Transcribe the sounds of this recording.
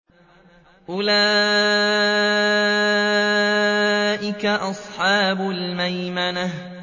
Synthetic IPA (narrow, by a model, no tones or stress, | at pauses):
ʔʊlaː | ʔɪkaʔɑsˤħɑːbʊlmajmana